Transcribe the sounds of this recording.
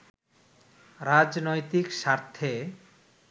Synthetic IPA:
ɾad͡ʑnojt̪ikʃaɾt̪ʰːe

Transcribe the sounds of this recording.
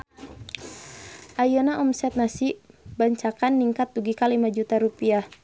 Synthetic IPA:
ʔajonaʔɔmsɛt̪̚nasibaɲt͡ʃakanːiŋkat̪̚ːuɡikalimad͡ʒut̪aɾupiah

